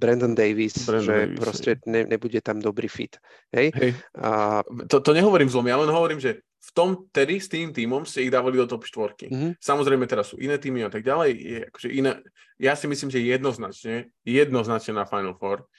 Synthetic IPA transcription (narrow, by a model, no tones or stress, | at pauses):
bɾɛnd̪nd̪ɛjʋisʒɛpɾɔscɛɲɛɲɛbuɟɛt̪amd̪ɔbɾiːfḭt̪ | ɦɛjɦɛj | t̪ɔt̪ɔɲɛɦɔʋɔɾiːmzlɔmijalɛnɦɔʋɔɾiːmʒɛ | ft̪ɔmt̪ɛd̪ist̪iːmt̪iːmɔmscɛiɣd̪aːʋalid̪ɔt̪ɔpʃt̪ʋɔɾkḭsamɔzɾɛjmɛt̪ɛɾasːṵːʔinɛːt̪iːmiat̪aɡ̚ɟalɛjjɛʔakɔ̥ʒɛʔinɛ̰ː | jasimisliːmʒɛjɛd̪nɔznat͡ʃɲɛ | jɛd̪nɔznat͡ʃɲɛnafajnl̩fɔɾ